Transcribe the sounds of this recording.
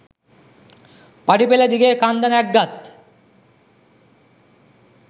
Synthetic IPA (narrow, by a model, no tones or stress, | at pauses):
paɽipelad̪iɡekand̪anɛk̚ɡat̪